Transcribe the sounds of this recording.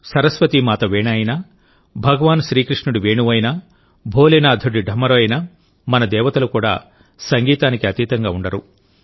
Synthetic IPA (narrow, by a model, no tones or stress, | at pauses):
sɐɾɐsʋɐt̪imaːt̪ɐʋeːnaːjinaː | bʱɐɡɐʋaːnʃɾiːkɾiʂɳuɽiʋeːɳuʋɐjnaː | bʱoːleːnaːd̪ʱɐɖiɖʱɐmːɐɾoɐjna | mɐnɐd̪ɛːʋɐt̪ɐlukuːɽa̰ː | sɐŋɡiːt̪aːnikiɐt̪iːt̪ɐŋɡaːuɳɖɐɾṵ